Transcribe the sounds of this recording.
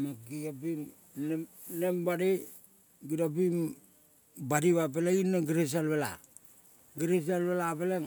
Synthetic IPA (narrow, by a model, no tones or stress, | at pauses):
maɡiapim | ne | nembaɾe | ɡiɾap̬im | badiβap̬elainːaɡiɾes̬alβela̰ | ɡiɾes̬alβelapeleŋ